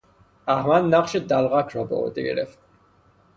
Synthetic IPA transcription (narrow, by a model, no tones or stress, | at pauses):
ahmanːaχʃid̪alʁakʰɾɔbɔ̰wɛ̰t̪ʼḭɡɾɛ̰f